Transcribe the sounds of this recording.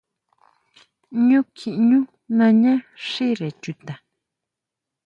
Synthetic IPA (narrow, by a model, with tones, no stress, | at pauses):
ɲũ˦kʰĩ˨ʔɲũ˦ | nã˧ɲã˦ʂi˦ɾe˨t͡ʃu˧t̪ã˨